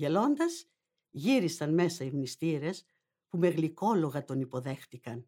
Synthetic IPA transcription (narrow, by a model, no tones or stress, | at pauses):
e̞lo̞nd̪ɐz̥ | ʝiɾisɐnme̞sɐimnist̪iɾe̞s | pume̞ɣliko̞lo̞ɣɐt̪o̞nipo̞ðe̞xθikɐn